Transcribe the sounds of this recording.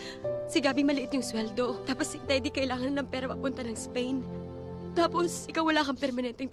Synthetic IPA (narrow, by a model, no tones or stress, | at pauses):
sɪɡaːbɪŋmɐlɪʔɪt̪̚ɲʊŋswɛld̪o̞t̪aːposɪnd̪ɛːd̪ɪkɐʔɪlaːŋɐnːɐŋpɛːɾɐmɐpʊnt̪ɐnɐŋspɛjn | t̪aːposʔɪkawːɐlaːkɐŋpɛɾmɐnɛnt̪ɛŋ